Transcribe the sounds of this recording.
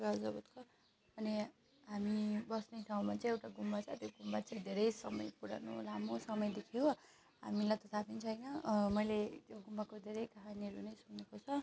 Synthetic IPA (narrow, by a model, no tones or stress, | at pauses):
ɡʌd͡zʌbut̪kʰo | ʌne | ɦamibʌsneʈʰaw̃mat͡saj̃ewʈaɡumːat͡sʰʌt̪joɡumːat͡saj̃d̪ʱeɾʌjsʌmʌ̰jpuɽa̰no̰lamosʌmʌjd̪ekʰijo | ɦa̰milajt̪ʌt̪ʰapint͡sʰʌjnʌmʌjlet̪joɡumːakod̪ʱeɾʌjkʌɦaniɦʌɾunʌjsuknekot͡sʰʌ